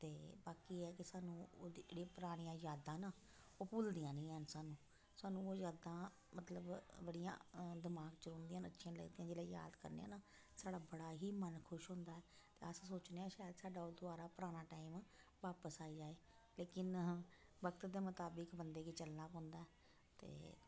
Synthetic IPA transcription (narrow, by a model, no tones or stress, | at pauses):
t̪eːbaːkiːɛːkɪsaːnũːo̰ːd͡ʒeːɽeːpʊɾaːɽ̃ijãːzaːd̪ãːnaː | oːpʊːld̪ijãːnĩːɛnsaːnũː | saːnũːoːzaːd̪ãː | mət̪ləbbəɽijã̰ːd̪ɪmaːɡt͡ʃəɾõːnd̪iãːnətːʃʰãːlə̰ɡd̪iːãːd͡ʒeːɽaːja̰ːd̪kə̰ɾnḛã̰ːnaː | saːɽaːbəɽaːɦiːmənkʰʊʃɦõːnd̪aːɛːt̪eːəssoːt͡ʃneãːʃaːɛd̪saːɖaːoːd̪ʊaːɾaːpʊɾaːɽ̃aːʈaːim | ʋaːpəsaːid͡ʒaːeːleːkɪnbəkt̪d̪eːmət̪aːbəkbənd̪eːkiːt͡ʃəlnaːpɔ̃ːnd̪aːɛː | t̪ḛː